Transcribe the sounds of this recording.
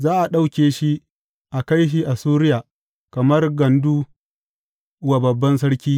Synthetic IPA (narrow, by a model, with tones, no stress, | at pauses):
zaː˦ʔa˨ɗa˦wkʲeː˨ʃi˦ | ʔa˨ka˦jʃ̬i˦ʔa˨suː˦ɾɪ˦jaː˨ | kɐ˨mɐ˦rɡɐ˨nduː˦ | wa˨bɐ˨bːɐ˦ns̬ɐ˦ɽkʲiː˦